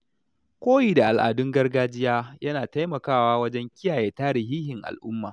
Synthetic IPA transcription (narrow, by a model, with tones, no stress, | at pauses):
kʷoː˦ji˨da˨ʔa˨lʔa̰ː˨dʊ˦ŋɡɐ˦rɡaː˦d͡ʒɪ˦jaː˦jɐ˦naː˨ta˦jmɐ˨kaː˦waː˦wɐ˦d͡ʒɛ˦ŋkʲɪ˦jaː˨jeː˨taː˦ɾɪ˨ɦiː˦hɪ˨ŋʔa̰˨lʔʊ˦mːaː˨